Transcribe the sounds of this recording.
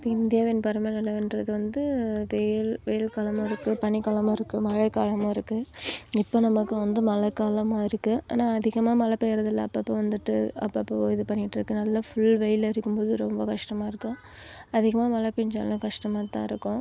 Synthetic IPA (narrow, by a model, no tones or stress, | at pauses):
ɪpːoɪnd̪ɪjaːʋɪnpɐɾɐmɐnɐlɐɪndɾɐðɯʋɐnd̪ɯʋeːɪlʋɛjɪlkaːlɐmãːɪɾɯkːɯpɐnikaːlɐmaːɪɾɯkːɯmɐɻɐkaːlɐmaːɪɾɯkːɯɪpːoːnɐmɐkːɯʋɐnd̪ɯmɐlɐkːaːlɐmaːɪɾɯkːɯʔḛːnaːɐðɪɣɐmaːmɐlɐpejɾɐðɪlːɐ̰̃ɐpːɐpːoːʋɐnd̪ɯʈːɯɐ̰pːɐpːoɪðɯpɐɳːɪʈːɪɾɯkːɯnɐlːɐfʊɭʋɛjɪlɪɾɯkːɯmpoːðɯɾɔmbɐkɐʂʈɐmaːɪɾɯkːʊ̃ | ɐðɪɣɐmaːmɐlɐpɪnd͡ʒa̰ːlãːkɐʂʈɐmaːt̪ːã̰ːɪɾɯkːʊ̃